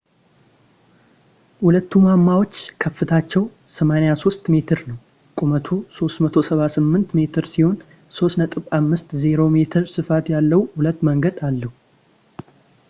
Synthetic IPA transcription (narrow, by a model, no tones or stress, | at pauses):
hulət̪ːumamːawo̞t͡ʃːkʰəfːɨt̪ʰat͡ʃːɛw | səmanjaso̞st̪me̞t̪ʰɨɾnəw | kʼumət̪ʰuso̞st̪mət̪ʰo̞səβasɨmːɨnt̪me̞t̪ʰɨɾsiho̞n | so̞snət̪ʼɨβamːɨst̪zeɾo̞me̞t̪ʰɨɾsɨfat̪jalːəwhulət̪ːməŋɡəd̪alːəhu